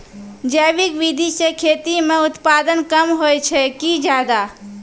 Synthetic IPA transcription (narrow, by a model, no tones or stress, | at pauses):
d͡ʒəʋɪkʋid̪ʱiʃekʰeːt̪imẽʊt̪paːd̪ənkəmɦoːet͡ʃʰɛkid͡ʒjaːd̪aː